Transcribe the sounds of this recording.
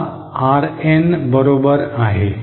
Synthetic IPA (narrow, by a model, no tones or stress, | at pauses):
aɾenbəɾobəɾaɦe